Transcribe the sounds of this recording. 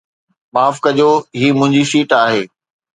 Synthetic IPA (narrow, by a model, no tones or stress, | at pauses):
maːfkɐʄoːɦiːmʊ̃ɦɪ̃ɲd͡ʑiʃiːʈaːɦeː